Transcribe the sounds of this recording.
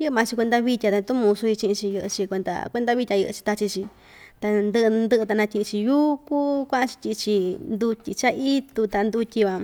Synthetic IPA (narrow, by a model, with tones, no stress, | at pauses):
jɨ˦ɨ˧mã˧t͡ʃi˧kʷe˧nd̪a˧βi˧tʲa˧t̪a˧t̪u˦mũ˧su˧i˧t͡ʃĩ˧ʔĩ˧t͡ʃi˧jɨ˧ʔɨ̰˧t͡ʃi˧kʷe˧nd̪a̰˧kʷe˧nd̪a˧βi˦˧tʲa˧jɨ̰˧ʔɨ̰˧t͡ʃi̥˧t̪a˧t͡ʃi˧t͡ʃi˧ | t̪a˧nd̪ɨ˧ʔɨ˧nd̪ɨ˧˦ʔɨ˧t̪a˧nã˧tʲi˧ʔĩ˧t͡ʃi˧juː˦kuː˦kʷã˦ʔã˦˧t͡ʃi̥˧tʲi˧ʔt͡ʃi˧nd̪u˧t̪ʲi˧t͡ʃa˦ʔi˦t̪u˧t̪a˧nd̪u˧tʲi˧βa˧